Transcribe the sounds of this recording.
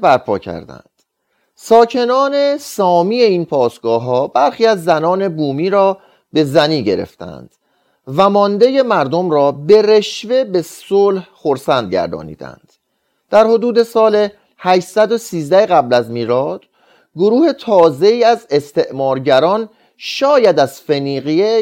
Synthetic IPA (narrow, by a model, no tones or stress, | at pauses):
bæɾpʰɒːcʰæ̰ɾd̪æ̰nd̪̥ | sɒːcʰe̞nɒːne̞sɒːmiːe̞iːnpʰɒːsɡ̥ɒːɦɒːbæɾxiːæzːænɒːne̞buːmiːɾɒː | be̞zæniːɟe̞̰ɾe̞̰ft̪æ̰nd̪̥ | væmɒːnd̪e̞je̞mæɾd̪omɾɒːbe̞ɾe̞ʃve̞be̞soːlhxo̞ɾsænd̪̚ɟæ̰ɾd̪ɒ̰ːnḭːd̪æ̰nd̪̥ | d̪̥æɾho̞d̪uːd̪e̞sɒːle̞ | hæʃsæd̪o̞siːzd̪æheɣæblæzmiːɾɒːd̪̥ | ɡoɾuːhe̞t̪ʰɒːze̞iːæze̞st̪e̞ʔmɒːɾɟæɾɒːn | ʃɒːjæd̪æz̥feniːɣie